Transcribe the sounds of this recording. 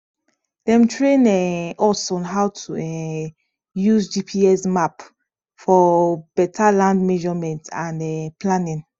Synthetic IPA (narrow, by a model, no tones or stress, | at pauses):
dɛ̃mtʰɹẽnɛɔsɔ̃nɦawtʰuɛ | juzd͡ʒipʰiɛsmap | fɔb̥ɛtʰalãndmɛʒɔmɛ̃ntãnɛplanĩn